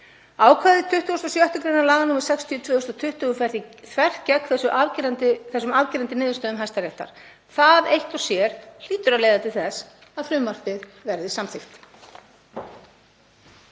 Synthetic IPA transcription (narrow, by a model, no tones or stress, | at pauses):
aːwkʰvaːðɪt̪ʰʏht̪ʏɣɔst̪ɔsjœht̪ʏkɾejnaɾlaːɣanuːmaɾ̥sɛkst̪ʰiɔt̪ʰvœːʏst̪at̪ʰʏht̪ʏɣʏfɛɾiθʰvɛr̥cɛkθɛsʏʔaɾt̪ɪθɛsːʏmavciːɾant̪ɪnɪːðʏst̪œːðʏmɦajst̪aɾɛht̪a̰ɾ̥ | θaðejht̪ɔsjɛɾ̥l̥iːt̪ʏɾaleːjðat̪ʰɪlθɛs | aðfɾʏmːar̥pɪðvɛɾðɪsamθɪxt̪